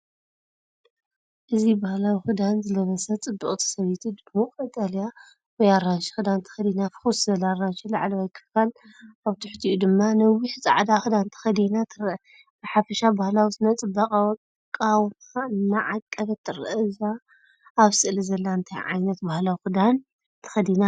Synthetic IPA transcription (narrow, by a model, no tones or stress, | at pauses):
ʔɨzibahlawixɨd̪anzɨlɐβɐsɐt͡sʼɨbːɨkʼt̪ʰi̥sɐβit̪ʰid̪ɨmukʼɐt̪ʼalja | wɔjaɾaʃi̥xɨd̪ant̪ʰɐ̥xɐd̪inafɨ̥xuszɐlaɾaʃilaʕlɐwajkʰɨ̥fkal | aβt̪ʰɨ̥ħt̪ʰiʔud̪ɨmːanɐwiħt͡sʼa̰ʕd̪axɨd̪ant̪ʰɐ̥xɐd̪inat̪ʰɨɾʔɐ | bɨħafɐʃabahlawisɨnɐt͡sʼɨbːɐqʼawtʼ | kʼawmaɨnːaʕakʼːɐβɐt̪ʰːɨɾʔɐzaː | βsɨʔlizɐlːant̪ʰa̰jʕa̰jnɐt̪̚bahlawixɨd̪an | t̪ʰɐ̥xɐd̪ina